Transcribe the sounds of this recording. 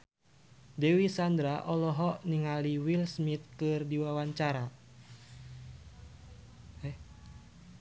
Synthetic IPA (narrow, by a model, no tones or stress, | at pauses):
dɛwisand̪ɾaʔɔlɔɦɔʔniŋaliwilsmit̪̚kɨrdiwawaɲt͡ʃaɾa | ɛ